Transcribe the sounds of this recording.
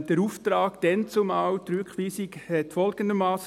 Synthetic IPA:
d̪̥əɾuːft̪ɾɑːɡ̥d̪̥ɛnt͡sʊmɑwt̪ɾyːkχʋiːsikɛtfɔlɡ̥əndəmɑːs

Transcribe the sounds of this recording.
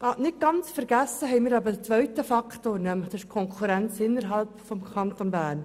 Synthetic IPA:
ɑnɪt̚ɡ̥ɑnt͡sfəɾɡ̥æsəɦɛɪmɪːɾɑbədət͡sʋœʏtəfɑkʰtoːnœməχd̥ɪʃkʰɔŋkʰuɾɛnt͡sɪnːəɾɦɑlpfɔmkʰɑntonbæːɾn

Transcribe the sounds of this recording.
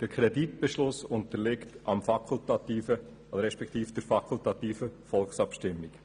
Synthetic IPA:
d̥əɾkʰɾɛditb̥ɛʃlʊsʊntəlɪktʔɑmfɑkʰultɑtiːfə | dəɾɛʃpɛkʰt̪iːfd̥əɾfɑkʰultɑt̪iːfəfɔlksɑpʃtɪmːik

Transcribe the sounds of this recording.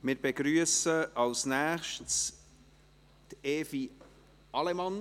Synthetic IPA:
mɪːɾbeɡɾyəsəɑwsnæːχʃts | teːfi | ɑlɛmɑn

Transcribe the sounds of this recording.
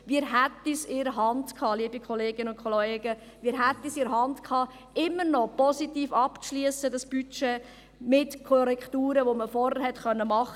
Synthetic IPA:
ʋiːɾɦætisɪɾəɦɑndkʰɑːliəbikʰɔleːɡɪnəʊnkʰχɔleːɡ̥ə | ʋiːɾɦæt̪ːisɪɾəɦɑndkʰɑː | ɪmːəɾnɔpɔsitiːfɑpt͡sʃliəsədɑsb̥yt͡ʃe | mɪtkʰɔɾɛktuːɾəʋoməfɔɾhəɾhɛtχœnːəmɑχə

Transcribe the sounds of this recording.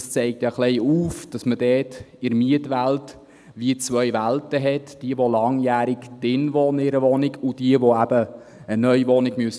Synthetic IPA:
st͡sɛɪk̚tjɑχlɛɪuːfd̥ɑsməd̥ɛːtɪɾmiətʋælt | ʋiət͡sʋœʏʋæltəɦɛtd̥iəʋolɑŋjæːɾɪkd̥ɪnʋɔːnɪɾəʋɔnɪɡud̥iəʋoæb̥əː | nœʏʋɔnɪɡ̥myəs

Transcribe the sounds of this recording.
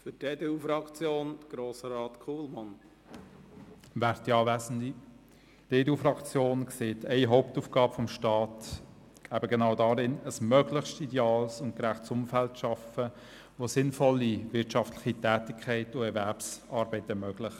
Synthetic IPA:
fʏteːd̪eufɾɑkt͡sjoːnd̥̪əɡ̥ɾoːsəɾɑːt̪kʰuːlmɑn | væːɾtiɑːvæːzən̩di | d̥eːdeuːfɾɑkt͡sjoːnkseːtʰɛɪɦɔʊp̚tuːfɡ̥ɑːbəfɔmʃtɑːt | ɡ̥æːbəɡɛnɑʊdɑːɾɪnəsmœɡlɪχʃtidɛɑːlsʊnt̚kɾæχtsʊmfæltʃɑfə | ʋosɪnfɔlːivɪɾtʃɑftlɪχitɛːtɪkʰχɛɪtʊɛɾvɛɾpsɑːɾbɛɪtəmœːɡ̥lɪχ

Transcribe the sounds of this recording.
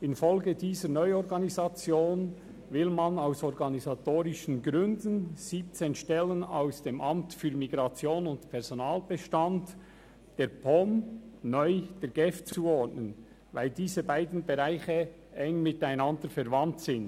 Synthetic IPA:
ɪnfɔlɡədiːzəɾnɔʏɔɾɡɑnizɑt͡sjoːn | vɪlmanaʊsɔɾɡɑnizatoːʁɪʃən̩ɡɾʏndn̩z̥iːp̚t͡seːnʃtɛlənaʊsd̥eːmʔɑmtfyːɾmiɡʁɑt͡sjoːnʊntpʰɛʁz̥onaːlb̥əʃtɑnt | d̥eːɾpʰɔmnɔʏd̥eːɡ̥ɛft͡suːɔɹtnən | vaɪldiːzəbaɪdn̩beʁaɪçə | ʔɛŋmɪtaɪnɑndəɾfɛɾvɑntsɪn

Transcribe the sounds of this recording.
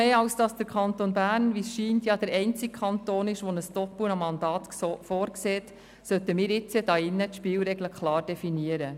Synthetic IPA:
eːɑwsd̥ɑsd̥əɾkʰɑnt̪onbæːɾnʋisʃiːntjɑd̥əɾɛɪnt͡sɪkkʰɑnt̪oːnɪʃʋɔnəsd̥ɔpənɑmːɑndɑːt̪ː | foːɾkseːt | sœt̪əmɪːɾɪt͡səd̥ɑɪnːət̪ʃpɪːlɾɛɡləkʰlɑːrd̥ɛfiniəɾə

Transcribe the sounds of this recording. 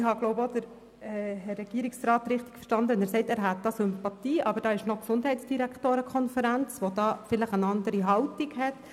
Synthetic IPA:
ɪhɑɡ̥loʊbodəɾ | ɛhɛɾɛɡ̥iːɾiksrɑːt̪ɾɪχt̪ɪ̥kfə̥ʃtɑnd̪əɛnæːsɛɪtæːɾɦæt̪̚d̪ɑːsʏmpɑt̪iːʔɑbəɾd̥ɑːɪʃnɔksʊndɦɛɪtsd̥iɾæktoːɾəkʰχɔnfəɾænt͡sʋod̥̪ɑːfɪləχənɑndəɾiɦɑltiɡhɛt

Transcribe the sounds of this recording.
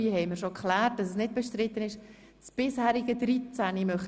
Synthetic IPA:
iɦɛɪməɾʃokχlæːt̚d̥ɑsəsnɪt̚b̥ɛʃtɾɪt̪ːənɪʃ | sb̥ɪshæːɾɪɡədɾit͡sænimœχ

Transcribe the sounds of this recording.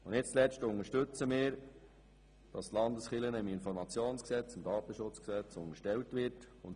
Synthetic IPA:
ʊndɪt͡st͡slɛstʊŋəʃtɵt͡səmɪːɾ | d̥ɑst̪lɑndəsχɪlənəɪmɪnfɔɾmɑt͡sjoːnsksɛt͡sɪmdɑːt̪əʃʊt͡sksɛt͡sʊŋəɾʃtɛltʋɪɾt | ʊn

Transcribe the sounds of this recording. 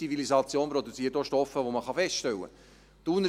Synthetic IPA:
ivilisɑt͡sjoːnpɾod̪ut͡siətːoʃtɔfəʋoməχɑfɛstʃtɛlːə̰ | t̪unː

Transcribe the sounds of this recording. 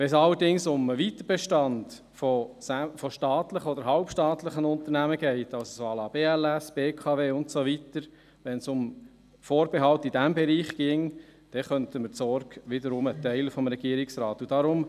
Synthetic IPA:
ʋɛsɑlːəɾdɪŋsʊməʋit̪əb̥ɛʃtɑnd | fɔsæfɔʃtɑːtləχəɔd̪əɾɦɑʊpʃtɑːt̪ləχənʊnt̪əɾnæməɡ̥ɛɪtɑlsosoɑːlɑːb̥eːælɛsb̥eːkʰɑveːʊntsoʋitəɾ | ʋɛnsʊm | foːɾb̥ɛɦɑltid̥æmbɛɾiːχɡ̥ɪŋd̥ɛχœntəməsɔɾɡʋɪdəɾʊmət̪ɛɪləfɔmɾɛɡ̥iːəɾɪksɾɑːt̪ud̥ɑɾʊm

